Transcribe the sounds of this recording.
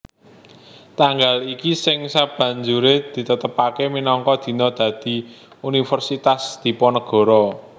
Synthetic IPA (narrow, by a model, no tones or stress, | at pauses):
t̪aŋɡalikisɪŋsab̥ä̤ɲd͡ʒuɾed̪̥i̤t̪ət̪əpakeminɔŋkɔd̪̥i̤nɔd̪̥ä̤d̪̥i̤ | unifərsit̪asd̪̥i̤pɔnəɡ̥ɔ̤ɾɔ